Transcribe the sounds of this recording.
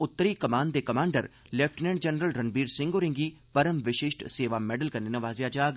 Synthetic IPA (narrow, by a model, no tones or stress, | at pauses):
ʊt̪ːəɾiːkəmaːnd̪eːkəmaːɳɖəɾ | lɛpʰʈnɛːɖd͡ʒɛnɾəlɾənbiːɾsɪ̃ŋɡoːɾɪ̃ŋɡiː | pəɾəmʋɪʃɪːʃʈseːʋaːmɛːɖəlkəɾneːnəʋaːzjaːd͡ʒaːɡ